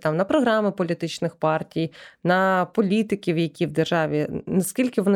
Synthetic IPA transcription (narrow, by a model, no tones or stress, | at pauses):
t̪ɑmnɐpɾɔɦɾɑmɪpɔlʲit̪ɪt͡ʃnɪxpɑrtʲijnɐpɔlʲit̪ɪkʲiwjɐkʲiwd̪erʒɑʋʲinɐskʲilʲkɪʋɔnɪ